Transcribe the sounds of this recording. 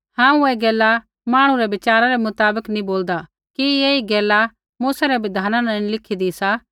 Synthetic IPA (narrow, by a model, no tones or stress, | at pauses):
hãːũɛːɡɛːla | maːɽ̃ũɾɛʋɪt͡ʃaːɾaɾɛmʊt̪aːbəknĩboːld̪a | kieːiɡɛːla | muːsaɾɛbɪd̪ʱaːnanãːnĩlɪkʰid̪isa